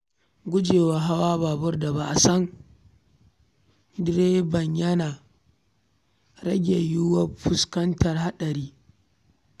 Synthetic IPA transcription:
ɡʷʊ˦d͡ʒeː˨waː˨ɦa˦waː˦baː˨bʊ˦rda˨ba˦ʔa˨sɐ˦ŋ | dɾeː˦bɐ˨ɲjɐ˦naː˨ | ɾɐ˦ɡʲe˨jʊ˦wɐ˦ɸʊ˦skɐ˦ntɐ˨rha˦ɗɐ˨ɾiː˦

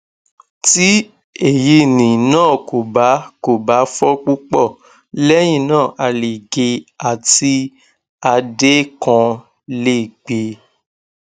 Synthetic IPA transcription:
ti˦ | e˨ji˧˦nĩ˨nãː˦˨ko˨ba˨˦ko˨ba˨˦fɔ˦k͡pu˦k͡pɔ˦˨ | lɛ˦j̃ĩ˦˨nãː˦˨ʔa˧le˨ɡe˧a˨ti˧ | a˧de˦kã˧ | le˦˨ɡ͡be˨˧

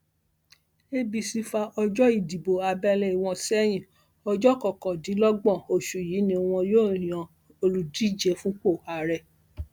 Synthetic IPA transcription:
e˦bi˧si˧fa˧ʔɔ˧d͡ʒɔ˦i˦˨di˨bo˨a˧bɛ˧lɛ˧i˨w̃ɔ̃˧sɛ˦j̃ĩ˨ | ɔ˧d͡ʒɔ˦kɔ˨kɔ̃˨dĩ˨˦lɔ˦ɡ͡bɔ̃˦˨o˨ʃu˨jiː˨˦nĩ˧o˧w̃ɔ̃˧joː˦˨j̃ã˨ | o˧lu˨di˦d͡ʒɛ˨˦fũ˦k͡po˦˨ha˨ɾɛ˦˨

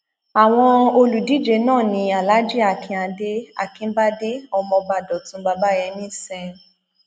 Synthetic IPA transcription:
a˨w̃ɔ̃˧o˧lu˨di˦d͡ʒe˧nãː˦˨nĩ˧a˨la˨˦d͡ʒi˦a˨kʰĩ˧a˧de˦a̰˦˨kĩ˧˦ba˦de˦ɔ˧mɔ̃˧ba˧˨dɔ˨tũ˧˦ba˧ba˦jɛ˧nĩ˦sɛ˧

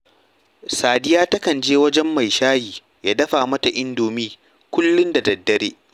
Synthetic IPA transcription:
saː˨dɪ˦jaː˦tɐ˦kɐ˨nd͡ʒeː˦wɐ˦d͡ʒɛ˦mːa˨jʃaː˦jiː˨ | jaː˦dɐ˦ɸaː˨mɐ˦ta˨ʔɪ˦ndoː˨miː˦ | kʷʊ˦lːʊ˦nda˨dɐ˨dːɐ˦ɾeː˦

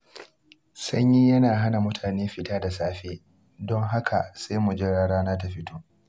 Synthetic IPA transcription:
sɐ˦ɲjiː˦jɐ˦naː˨ɦa˦na˨mʊ˦tʰaː˨neː˦ɸɪ˨taː˦da˨saː˦ɸeː˦ | dɔ˦ŋɦa˦kʰa̰˨sa˦jmu˨d͡ʒe˦ɽaː˦ɽaː˦naː˦t̬a˨ɸɪ˦tʰoː˦ʔ

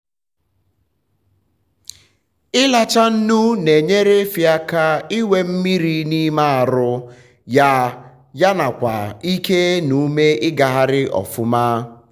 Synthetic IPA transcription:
ɪ˦la˨t͡ʃa˦n̩˦nu˦ne˨ɲe˦ɾe˦fja˦ka˦i˦we˦m̩˦mi˦ɾi˦ni˦ma˦a˨ɾʊ˦ | ja˦ | ja˦na˨kʷa̰˨i˦ke˦nu˦me˦ɪ˦ɡa˨ɦa˦ɾɪ˦ʔɔ̰˨fʊ˦ma˦

